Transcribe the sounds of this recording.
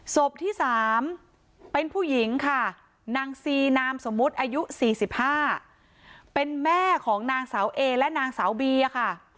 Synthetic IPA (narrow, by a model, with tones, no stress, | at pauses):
so˨˩p̚t̪ʰiː˥˩saː˨˩˦m | pe˧npʰuː˥˩ji˨˩˦ŋkʰa˥˩ | naː˧ŋsiː˧naː˧mso˩˦mːu˦˥t̪̚ʔaː˧ju˦˥siː˨˩si˨˩p̚haː˥˩ | pe˧nmɛː˥˩kʰɔː˩˦ŋnaː˧ŋsaː˩˦wʔeː˧lɛ˦˥ʔnaː˧ŋsaː˩˦wbiː˧a˧kʰa˥˩